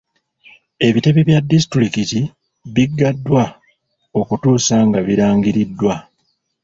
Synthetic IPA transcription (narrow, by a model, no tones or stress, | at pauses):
e̞βite̞βiβjadːis̬i̥tɾikiti | βiɡːadːwa | o̞kutuːsaŋɡaβiɾaːŋɡiɾidːwa